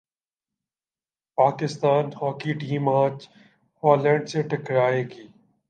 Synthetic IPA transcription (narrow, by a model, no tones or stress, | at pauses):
paːkɪst̪aːnhɔːkiːʈiːmãːt͡ʃ | hɔːlẽːɳɖseːʈɪkɾaːeːɡiː